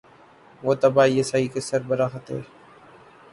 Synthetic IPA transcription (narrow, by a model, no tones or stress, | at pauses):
ʋoːt̪əbʱaːiːəsaːiːkɪsəɾbəɾaːxət̪ḛː